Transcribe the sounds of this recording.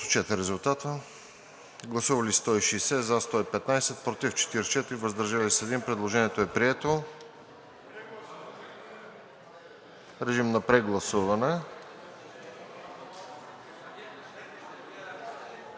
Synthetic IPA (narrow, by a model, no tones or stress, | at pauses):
t͡ʃɛt̪ɾiɾɛzʊlˠt̪at̪ə | ɡlˠɐsuvɐlist̪ɔiʃiːsɛzast̪ɔipɛt̪najsɛt̪̚pɾot̪ift͡ʃɛ̥t̪iɾt͡ʃɛt̪ɾivəzd̪ɐɾʒalisɛd̪impɾɛd̪lˠoʒɛniɛt̪oɛpɾiɛt̪o | ɾɛʒimnɐpɾɛɡlˠɐsuvɐnɛ